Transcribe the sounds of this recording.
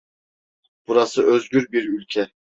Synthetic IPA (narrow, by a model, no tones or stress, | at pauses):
b̥uɾasɯʔøzɟʲyɾbiɾylʲcʰɛ